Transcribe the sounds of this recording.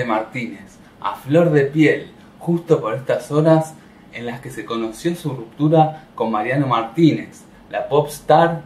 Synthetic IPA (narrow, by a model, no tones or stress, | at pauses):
emaɾt̪ines | a̰flo̞ɾðepjel | xust̪opo̞ɾest̪aso̞ɾas | enlaske̞seko̞no̞sjo̞surup̚t̪uɾako̞mːaɾjano̞maɾt̪ines | lapopst̪aɾ